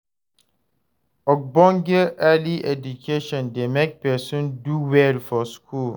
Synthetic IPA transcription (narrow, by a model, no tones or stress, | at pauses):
ɔk̚bɔ̃ŋɡəʔɛliɛdukʰeʃɔ̃ndemek̚pɛsɔ̃nduwɛlfɔskʰul